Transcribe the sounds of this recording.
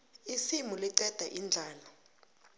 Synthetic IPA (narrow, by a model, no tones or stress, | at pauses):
isimuliǀɛd̥ʱaʔind͡ɮʱaːla